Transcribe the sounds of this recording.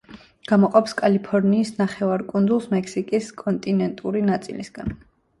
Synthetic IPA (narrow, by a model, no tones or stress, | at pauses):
ɡ̥amɔqʼɔpskʼalipʰɔɾniːsnaχɛvaɾkʼund̪zulˠsmɛkʰsikʼiskʼɔnt̪ʼinɛnt̪ʼuɾinat̪sʼḭlḭsɡ̥an